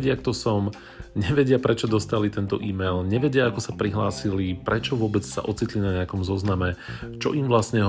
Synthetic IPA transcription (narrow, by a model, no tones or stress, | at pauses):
ɟɪakt̪ɔsɔm | ɲɛʋɛɟɪapɾɛt͡ʃɔd̪ɔst̪alit̪ɛnt̪ɔʔiːmɛjlɲɛʋɛɟɪaakɔsapɾiɦlaːsilipɾɛt͡ʃɔʋʊɔbɛt͡ssa̰ʔɔt͡sit̪linaɲɛakɔmzɔznamɛt͡ʃɔ̰ʔimʋlasɲɛɦ